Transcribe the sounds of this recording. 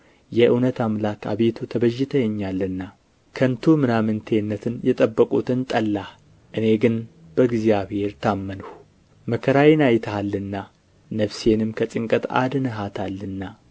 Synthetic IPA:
jɛʔɨwnət̪amlakʰa̰βe̞t̪ʰut̪ʰəβəʒːɪt̪ʰəjɛɲːalːɨnːa | kʰənt̪ʰumɨnamɨnt̪ʰe̞nːət̪ʰɨnjɛt̪ʼəbːəkʼut̪ɨnt̪ʼəlːa | ʔɨne̞ɡɨn | b̥əɡzjaβhe̞ɾt̪ʰamːənuh | məkʰəɾajinajt̪ʰaalːɨnːa | nəβse̞nɨmkʰət͡sʼɪŋkʼət̪a̰d̪ɨnɨɦat̪ʰalːɨnːa

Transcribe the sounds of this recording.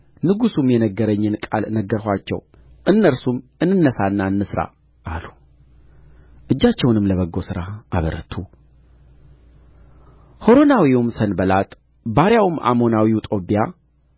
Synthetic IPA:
nɨɡusumjɛnəɡːəɾəɲːɨnkʼa̰lnəɡːəɾɦʷat͡ʃːɛ̰w | ʔɨnːəɾsumɨnːɨnːəsanːaɨnːɨsɾa̰ | ʔalu | ʔɨd͡ʒːat͡ʃːɛwnɨmləβəɡːo̞sɨɾaʔaβəɾə̰t̪ʰu | ho̞ɾo̞nawiumsənbəlat̪ʼ | baɾjawuma̰mo̞nawiut̪ʼo̞pːija

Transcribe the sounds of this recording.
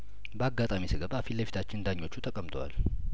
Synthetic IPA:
bəaɡat̪ʼamisɨɡəβafilːəfi̥t̪ʰat͡ʃːɪnnd̪aɲːo̞t͡ʃːut̪ʰəkʼəmt̪ʰʼowa̰l

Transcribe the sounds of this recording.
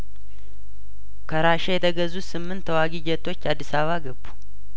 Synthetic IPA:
kʰəɾaʃejɛt̪ʰəɡəzusɨmːɨnt̪ʰːwaɡid͡ʒɛt̪ʰːo̞t͡ʃːad̪ːisaβaɡəbːu̥

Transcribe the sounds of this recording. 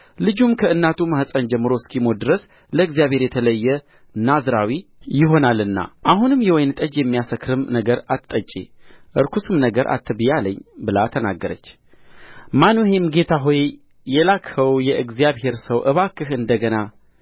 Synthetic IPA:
lɨd͡ʒumkʰəɨnːat̪ʰumahsʼənd͡ʒɛmːɨɾo̞skʰimo̞d̪ɨɾəs | ləɨɡzijaβhe̞ɾjɛt̪ʰələjːɛ | nazɾawijɪɦo̞nalɨnːa̰ʔaɦunɨmjɛwɔjnt̪ʼəd͡ʒjɛmːijasəkʰɾɨmnəɡəɾat̪t̪ʼːət͡ʃʼːḛʔɨɾkʰusɨmnəɡəɾʔa̰t̪ːɨbɨjaləɲːbɨlat̪ʰəna̰ɡːəɾə̰t͡ʃː | manohemɡe̞t̪ʰaɦo̞j | jɛlakhəwjɛʔɨɡzijaβhe̞ɾsəwʔɨβakːɨhɨnd̪əɡəna

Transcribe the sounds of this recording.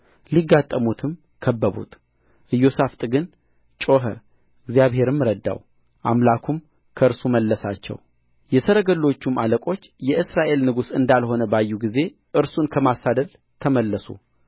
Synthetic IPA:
liɡːat̪ʼːəmut̪ʰɨm | kʰəbːəβṵt̪ | ʔɨjːo̞saft̪ʼɨɡɨn | t͡ʃʼo̞ɦə̰ | ɨɡzjaβhe̞ɾɨmːɨɾəd̪ːa̰w | ʔamlakʰum | kʰəɨɾsuməlːəsat͡ʃːɛ̰w | jɛsəɾəɡəlːo̞t͡ʃːumaləkʼo̞t͡ʃːjɛʔɨsɾaʔe̞lnɨɡusɨnd̪alho̞nəbajːuɡize̞ | ʔɨɾsunkʰəmasad̪əl | t̪ʰəməlːəsṵ

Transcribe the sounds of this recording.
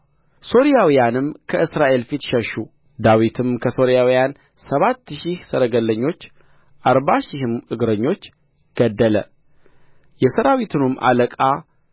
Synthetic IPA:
so̞ɾijawijanɨmkʰəʔɨsɾaʔe̞lfit̪ʃɛʃu | d̪awit̪ʰɨmkʰəso̞ɾijawijan | səβat̪ːʃihsəɾəɡəlːəɲːo̞t͡ʃː | ʔaɾbaʃɪhɨmʔɨɡɾəɲːo̞t͡ʃː | ɡ̥əd̪ːələ̰ | jɛsəɾawit̪ʰɨnumːʔa̰ləkʼa

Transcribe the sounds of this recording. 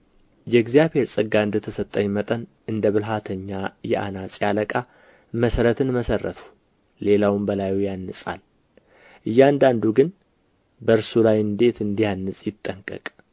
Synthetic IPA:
jɛɡzijaβhe̞ɾsʼɨɡːaɨnd̪ət̪ʰəsət̪ʼːəɲːmət̪ʼən | ɨnd̪əβɨlɦat̪ʰəɲːajɛ̰ʔa̰nasʼjaləkʼa | məsəɾət̪ʰɨnməsərːə̰t̪ʰu̥ː | e̞lawɨmbəlajujanːɨsʼa̰l | ʔɨjːand̪and̪uɡɨn | bəɨɾsulajɨnd̪e̞t̪ɨnd̪ihanːɨsʼjɪt̪ʼːəŋkʼə̰kʼ

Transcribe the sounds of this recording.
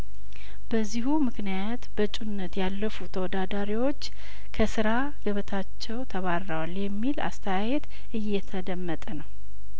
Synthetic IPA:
b̥əzːihumɨknijat̪bət͡ʃʼunːət̪jalːəfut̪ʰəwɔd̪ad̪aɾiwo̞t͡ʃː | kʰəsɨɾa | ɡ̥əβət̪ʰat͡ʃːɛwt̪ʰəβaɾːawaljɛmːila̰st̪ʰəjajɛt̪ | ʔɨjːɛt̪ʰəd̪əmːət̪ʼənəw

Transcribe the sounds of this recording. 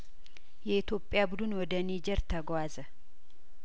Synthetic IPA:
jɛɪt̪joːpʼːɪjabʊd̪ʊnwɔd̪ɐniːd͡ʒɛɾt̪ɐɡʷaːzɐ

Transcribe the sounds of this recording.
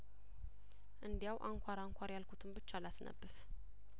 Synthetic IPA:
ʔɨnd̪ijawʔaŋkʷʰaɾaŋkʷʰaɾjalkʰʷut̪ʰɨmbɨt͡ʃːalasnə̰bːɨf

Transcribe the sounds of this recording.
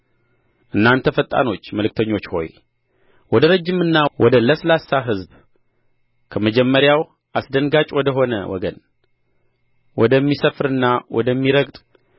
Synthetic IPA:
ʔɨnːant̪ʰəfət̪ʼa̰no̞t͡ʃːməlɨk̚t̪ʰəɲːo̞t͡ʃːho̞̰j | wɔd̪əɾəd͡ʒːɪmɨnːawɔd̪ələslasːaɦɨzb | kʰəməd͡ʒɛmːəɾjaw | asd̪ənɡat͡ʃʼwɔd̪əɦo̞nə̰wɔ̰ɡən | wɔd̪əmːisəfɾɨnːawɔ̰d̪əmːiɾəɡt̪ʼ

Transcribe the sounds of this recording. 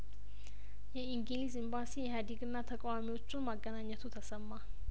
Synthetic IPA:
jɛiŋɡilisimbasieɦad̪ikʼɨnːat̪ʰəkʼwamiot͡ʃʼumaɡanaɲət̪ʰut̪ʰɐsəmːa

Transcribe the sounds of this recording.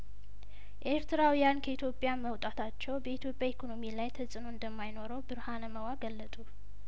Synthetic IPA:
ʔe̞ɾt̪ʰɨɾawijankʰəit̪ʰjo̞pʼjaməwt̪ʼat̪ʰat͡ʃːɛwbəit̪ʰjo̞pʼjaikʰo̞no̞milajt̪ʰəsʼɨnoɨnd̪əmːajno̞ɾəwbɨɾhanəməwaɡəlːət̪ʼu

